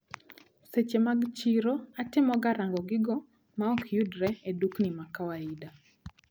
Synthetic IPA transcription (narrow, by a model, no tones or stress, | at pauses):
set͡ʃemaɡt͡ʃiɾoatɪmɔɡaɾaŋɡɔɡɪɡɔ | maɔkʰjudɾɛeduknimakawaida